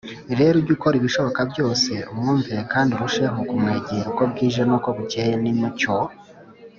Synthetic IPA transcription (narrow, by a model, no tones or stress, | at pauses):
iɾeːɾuɟuko̞ɾiβiʃo̞βo̞kabjo̞ːse̞umŋuːmpeɾekaːndiɾuʃeŋukumŋeːɟiɾuko̞b̚ɡiːʒenuko̞βuceːjenimuco